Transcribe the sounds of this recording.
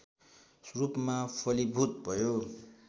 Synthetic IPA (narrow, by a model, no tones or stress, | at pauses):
srupmapʰʌlibʱut̪̚bʱʌjo